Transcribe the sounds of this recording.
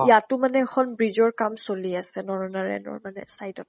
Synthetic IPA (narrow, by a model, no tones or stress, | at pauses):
ijatʊmanɛɛkʰɔnbɹizɔɹkamsoliasɛnɔɹɔnaɹɛ̰nɔ̰ɹmanɛ̰sajdɔt